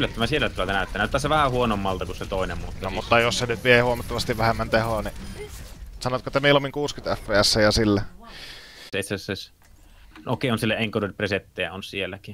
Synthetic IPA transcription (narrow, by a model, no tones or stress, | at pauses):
ylːæt̪ːømænsielːæt̪ulɑlt̪ænæˑyt̪ːæːnæˑyt̪ːæːseʋæhæhuonomːɑlt̪ɑkusset̪oˑenemmuːt̪nomut̪ːɑjossenyt̪ʋiehuomɑt̪ːɑʋɑst̪iʋʋæhemːænt̪ehoni | sɑnoɑt̪koet̪ːæmeˑilːomːiŋkuːskynt̪æfːeːæsːæjjɑsilːæ | seˑit̪sæses | noˑkˑeˑonsielːæeŋkodolʲpreset̪ːejæ̰onsielːæki